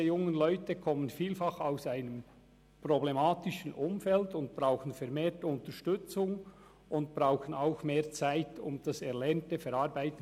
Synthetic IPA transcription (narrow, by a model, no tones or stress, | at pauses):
əjʊŋənlɔʏtəkʰɔmənfiːlfɑχaʊsaɪnəm | problemɑːtɪʃən̩ʔʊmfɛltʊnt̚b̥ʁaʊxən̩fɛɐmeːtʊntəʃtʏt͡sʊŋ | ʔʊnt̚b̥ɾaʊxənaʊxmeːɐt͡saɪtʊ̰md̥ɑsɛɾlɛɐntəfɛɾɑːʁbaɪt